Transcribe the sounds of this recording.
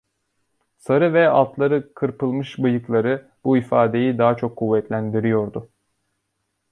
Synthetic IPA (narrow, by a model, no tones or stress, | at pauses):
saɾɯvɛa̰lˠt̪lˠaɾɯkʰɯɾpʰɯlˠmɯʃbɯjɯklˠaɾɯ | b̥uifaːd̪e̞jid̪aɦat͡ʃʰo̞kʰːuvːɛt̪lʲænd̪iɾijo̞ɾd̪ʊ